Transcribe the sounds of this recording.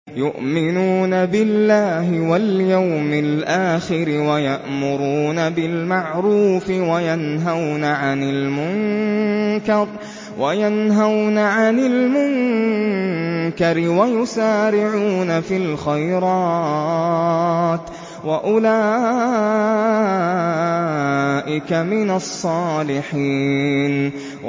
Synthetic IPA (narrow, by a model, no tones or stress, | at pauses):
jʊ̰ʔmɪnuːnabɪlːaːɦɪwaljawmɪlʔaːxɪɾɪwajaʔmʊɾuːnabɪlmaʕɾuːfɪwajanɦawnaʕanɪlmʊŋ | kɑɾˤ | wʔajanɦawnaʕanɪlmʊŋ | kaɾɪwajʊsaːɾɪʕuːnafilxajɾɑː | t̪ | waʔʊlaː | ʔɪkamɪnasˤːɑːlɪħiːn